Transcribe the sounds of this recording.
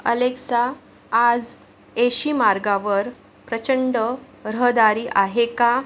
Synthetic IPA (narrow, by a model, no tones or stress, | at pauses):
ə̰leksaː | d͡z | eɕiːmaɾɡaʋəɾ | pɾət͡ɕəɳɖə | ɾəɦd̪aɾiːʔaɦeka